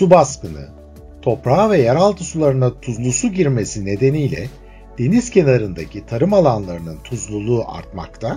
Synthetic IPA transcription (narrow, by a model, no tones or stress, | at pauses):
subaskɯnɯ̰ | t̪ʰo̞pɾaːvɛjaɾalˠt̪ʰɯsulˠaɾɯnat̪ʰuzlˠusuɟiɾme̞sine̞d̪e̞nijlʲɛ̰ | d̪̥e̞niz̥cʰe̞naɾɯnd̪acʰit̪ʰaɾɯmalˠanlˠaɾɯnɯnt̪ʰuzlˠulˠuːʔa̰ɾt̪ma̰kt̪ʰa